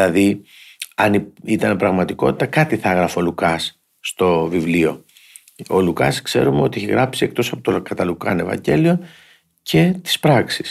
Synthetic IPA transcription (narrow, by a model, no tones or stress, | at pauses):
ɐði | ɐniit̪ɐnepɾɐɣmɐt̪iko̞̰t̪i̥t̪ɐkɐt̪iθɐɐɣɾɐfolukɐs | st̪o̞vivlio̞ | olukɐ̰skse̞̰ɾumeo̞t̪ieçḛɣɾɐpsie̞k̚t̪o̞sɐpo̞t̪okɐt̪ɐlukɐne̞vɐ̰ɲɟe̞lio̞ | cʰe̞t̪i̥spɾɐksi̥s